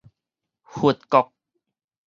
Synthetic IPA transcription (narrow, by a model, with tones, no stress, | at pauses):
hu˨˩ət̪̚kɔ˨˧k̚